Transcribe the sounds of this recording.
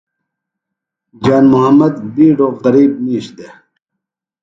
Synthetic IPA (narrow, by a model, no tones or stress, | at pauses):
d͡ʑaːnmuɦɐmːɐd̪biːɖoːqɐɾiːb̚miːɕd̪e